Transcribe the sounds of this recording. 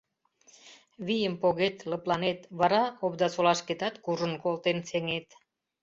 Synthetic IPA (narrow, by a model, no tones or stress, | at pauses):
βijəmpoɣet̪lə̆plɑnet̪βɑɾɑobd̪ɑsolɑʃket̪ɑt̪kuʒənkolˠt̪enseŋet̪